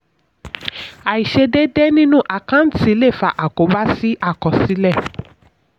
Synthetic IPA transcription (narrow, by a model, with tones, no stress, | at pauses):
a˨i˨ʃe˧de˦dɛ˦nĩ˦nũ˦ʔa˨kã˦n̩˦ti˧˦le˦˨fa˨ʔa˨ko˨˦ba˦si˦ʔa˦˨kɔ˨si˨˦lɛ˦˨